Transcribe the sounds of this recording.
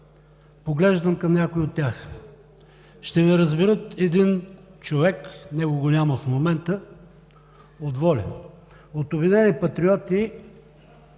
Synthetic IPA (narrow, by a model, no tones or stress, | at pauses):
poɡlɛʒd̪əmkɐmnʲakʊiot̪ʲːjax | ʃt̪ɛmɛɾɐzbɛɾɤt̪ɛd̪int͡ʃovɛknɛɡʊɡonʲaməfmomɛnt̪ə | od̪vɔlʲɐ̰ | ot̪obid̪ɛnipɐt̪ɾiɔt̪i